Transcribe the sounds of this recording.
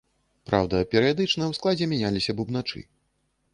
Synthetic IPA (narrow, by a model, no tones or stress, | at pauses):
pɾa̰wd̪ɐpʲɛɾɨjad̪ɨt͡ʂnɐjwsklˠad͡zʲɛmʲanʲalʲisʲɐbubnat͡ʂɨ̰